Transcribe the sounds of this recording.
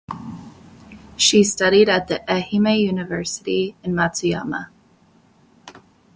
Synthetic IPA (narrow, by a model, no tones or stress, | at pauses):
ʃistʌɾiɾɨt̪̚ðiʔɛhimejʉnɨvɜ˞sɨɾiɨ̃nmæsiɑ̰mə̰